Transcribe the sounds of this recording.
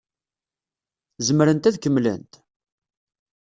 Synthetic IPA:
zəmɾənt̪æðkəmlə̰nt̪

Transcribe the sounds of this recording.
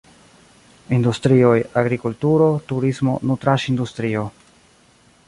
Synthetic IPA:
industɾio̞jaɡɾikultuɾo̞tuɾismo̞̰nutɾaʃindustɾio̞

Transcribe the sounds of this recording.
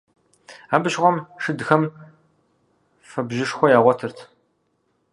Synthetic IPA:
aːbɨʒʁʷɔmʂɨdxɐm | fɐbʑɪʂxʷɔjaːʁʷɔtʰɨrtʰ

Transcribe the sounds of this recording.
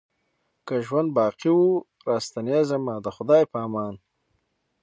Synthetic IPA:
kaʒwand̪̚bɑːqiwu | ɾɑːst̪ɐnjazamad̪əxʊd̪ɑːjpaːmɑːn

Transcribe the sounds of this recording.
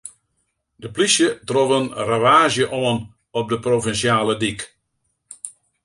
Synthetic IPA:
dəplisjətrovənraʋaːzjəʔoən | ɔp̚dəprovinsjaːlədik

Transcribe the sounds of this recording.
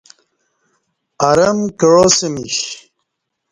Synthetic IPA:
ɐɾɐmkeɻosemiɕ

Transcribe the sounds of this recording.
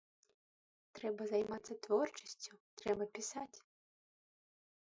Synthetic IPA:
t̪ɾɛbɐzajmat̪sːɐt̪vɔrt͡ʂɐ̥sʲt͡sʲut̪ɾɛbɐpʲisat͡sʲ

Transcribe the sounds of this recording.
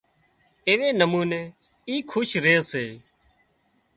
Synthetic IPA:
eːʋeːnəmuːneː | iːkʰʊːʃɾeːseː

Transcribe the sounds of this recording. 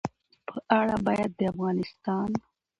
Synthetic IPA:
pʰəʔaɽabɑjad̪ːəafɣɑnɪst̪ɑn

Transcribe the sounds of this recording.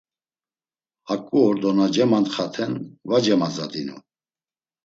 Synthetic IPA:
hakʼuɔɾd̪ɔnad͡ʒɛmant̪χat̪ʰɛnvad͡ʒɛmad͡zad̪inṵ

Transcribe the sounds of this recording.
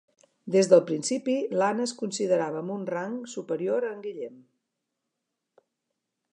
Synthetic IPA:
d̪ezðəlˠpɾinsipilanəskunsiðəɾaβəːmbunraŋsupəɾioɾəŋɡiʎɛm

